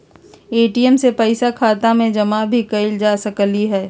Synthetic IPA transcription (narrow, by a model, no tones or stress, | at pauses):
eːʈiɛmsepɐɪsakʰaːt̪amẽd͡ʒɐmabʱikɐɪld͡ʒaːsɐkliɦɛː